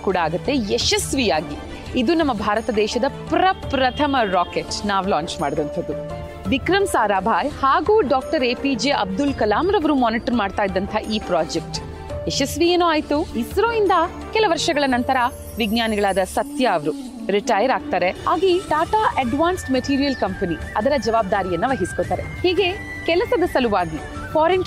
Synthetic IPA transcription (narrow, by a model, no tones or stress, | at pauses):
kuːɽɐaːɡut̪ːe̞jeʃɐsʋijaːɡi | id̪unɐmːɐbʱaːɾɐt̪ɐd̪ɛːʃɐd̪ɐpɾɐpɾɐt̪ʰɐmɐɾaːkeʈnaːʋlaːɲt͡ʃmaːɽid̪ɐnt̪ʰɐd̪u | ʋikɾɐmsaːɾaːbʱaːjhaːɡuːɖaːk̚ʈɐɾeːpid͡ʒeːʔɐb̚d̪ulkɐlaːmɾɐʋɐɾumaːniʈɐɾmaːɖt̪aːjid̪ɐnt̪ʰɐʔiːpɾaːd͡ʒek̚ʈ | eʃɐsʋieːnoaːjt̪uisɐɾoːind̪ɐ | kɛlɐʋɐɾʂɐɡɐɭɐnɐnt̪ɐɾɐ | ʋiɡnaːniɡɐɭaːd̪ɐsɐt̪jɐːʋɐɾu | ɾiʈaːjɐɾaːɡ̚t̪aːɾeaːɡiʈaːʈaːʔɐɖʋaːnsʈmeʈiːɾijɐlkɐmpɐni | ɐd̪ɐɾɐd͡ʒɐʋaːb̚d̪aːɾijɐnːɐʋɐɦisi̥koːt̪aːɾe̞hiːɡe̞ | kɛlɐsɐd̪ɐsɐluʋaːɡi | kaːɾeɳʈ